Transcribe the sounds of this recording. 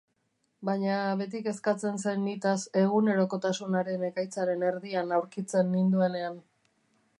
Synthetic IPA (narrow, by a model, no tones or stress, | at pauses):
bajɲaβe̞t̪̬ike̞skat͡se̞ns̬e̞nːit̪ase̞ɣ̞une̞ɾo̞ko̞t̪asunaɾe̞ne̞kajt͡saɾe̞ne̞ɾðianawɾkit͡se̞nːind̪ue̞ne̞an